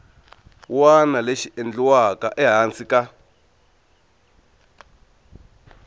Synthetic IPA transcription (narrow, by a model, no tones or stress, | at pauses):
wanaleʃiend͡ɮuwakaʔɛɦansika